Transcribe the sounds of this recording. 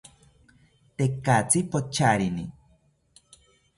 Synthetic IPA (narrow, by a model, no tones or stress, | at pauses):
t̪ekat͡sipot͡ʃaɾini